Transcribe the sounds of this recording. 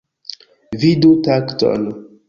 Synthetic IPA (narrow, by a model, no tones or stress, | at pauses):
vidutakto̰n